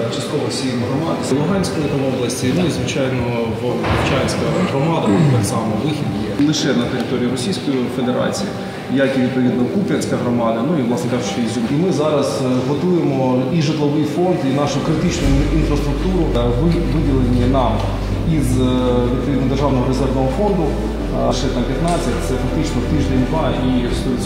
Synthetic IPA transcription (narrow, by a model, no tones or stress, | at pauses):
t͡ʃɐst̪̚kɔʋɔsʲijnɐɦɾɔmɑd̪ɪlˠʊɦɑnʲsʲkɔjt̪ɐʋɔblˠɐsʲtʲinuizʋɪt͡ʃɑjnɔ | ʋkuwt͡ʃanʲsʲkɐɦɾɔmɑd̪ɐt̪ɛksɑmɔʋɪxʲidʲnʲɛlˠɪʃɛnɐt̪eɾʲɪt̪oɾʲiːiɾɔsʲijsʲkɔjife̞d̪eɾɑ̰t͡sʲḭjḭ | jakʲiʋʲid̪̚pɔʋʲid̪nɐkupʲjɐnʲsʲkɐɦɾɔmɑd̪ɐnuiʋlˠɑsnɪkɑt͡ʃɔizʲumimɪzɑɾɐzɦɔt̪ujemɔiʒɪt̪lˠɔʋɪjfɔnd̪inɑʃʊkɾɪt̪ɪt͡ʃnʊinfɾɐst̪ɾʊk̚t̪uɾʊʋ | ʋɪdʲilˠenʲːinɑm | izʋʲid̪̚pɔʋʲid̪nd̪erʒɑʋnɔɦɔɾezɛrʋnɔɦɔfond̪ʊ | ʃɛt̪ɑmpʲjɐt̪nɑt͡sʲːɐtʲt̪sɛfɐk̚t̪ɪt͡ʃnɔwt̪ɪʒd̪ʲenʲd̪ʋɑ | ist̪ɔi